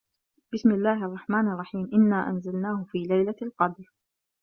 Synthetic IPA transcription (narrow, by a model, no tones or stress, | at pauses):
bɪsmɪlːaːhʔɑrˤːɑħmaːnʔɑrˤːɑħiːmʔɪnːaːʔanzalnaːhʊfiːlajlalqɑd̪ɾ